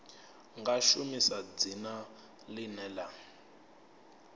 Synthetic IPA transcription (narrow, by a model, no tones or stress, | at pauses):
ŋɡaʃumisad͡zina | linɛːla